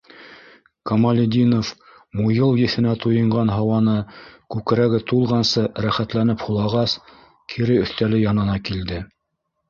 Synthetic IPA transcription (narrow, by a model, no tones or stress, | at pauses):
komɐlʲɪd̪ʲinof | mujɤlˠjɘ̆θɘ̆næt̪ujɤ̆ɴɢɑnɦɑwɑnɤkʉkɘ̆ɾæɡɘt̪ulˠʁɑnsɤɾæχæt̪lænɘphulˠɑʁɑs | kʰiɾɘɵ̆θt̪ælɘjɑnɤ̆nɑkild̪ɘ